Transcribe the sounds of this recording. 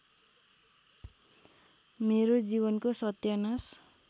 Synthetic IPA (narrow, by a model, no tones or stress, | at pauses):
meɾod͡zibʌnkosʌt̪jʌnas